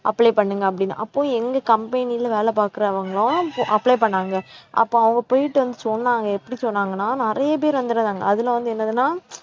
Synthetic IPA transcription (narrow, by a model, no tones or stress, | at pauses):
ʔɐpːɭɐɪpɐɳːɯŋɡɐːpːɐɽɪnːa̰ʔɐpːõːɛŋɡɐkɐmpɐnɪjɪlʋeːlɐpaːɾkɯɾɐɐʋɐŋɡɐɭõʔɐpːlɐɪpɐɳːaːŋɡɐʔɐ̰pːõːɐʋɐŋɡɐpoːjɪʈːɯʋɐnd̪ɯsɔnːaːŋɡɐɛpːɐɽisɔnːaːŋɡɐnːaːnɪɾɐjɐp̬eːɾʋɐnd̪ɯɾɐðaːŋɡɐ̰ɐðɯlɐʋɐnd̪ɯɛnːɐðɯnaː